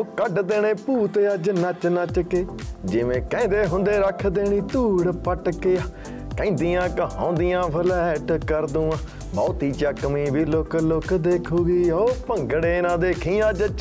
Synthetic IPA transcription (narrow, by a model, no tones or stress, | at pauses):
oːkəɖd̪eːɽ̃eːpuːt̪eːad͡ʒnət͡ʃnat͡ʃəkeːd͡ʒɪʋẽːkɛ̃ːnd̪eːɦʊ̃nd̪eːɾəkʰd̪eːɽ̃iːt̪uːɽpəʈkeːaː | kɛ̃ĩːnd̪iːjãːkəɦã̰ːnd̪ijãːbʰəlɛʈkəɾd̪ũːa | bɔːt̪iːt͡ʃaːkəmiːbʱiːloːkloːkd̪eːkʰuːɡiːoːpəŋɡɽeːnãːd̪eːkʰĩːãːd͡ʒət͡ʃ